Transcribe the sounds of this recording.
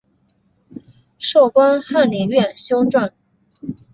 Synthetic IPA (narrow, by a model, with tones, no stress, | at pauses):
ʂo˥˩ʊkwa˥nxa˥˩nli˨˩ŋɥɛ˥˩nɕjo˥ʊʈ͡ʂwa˥˩n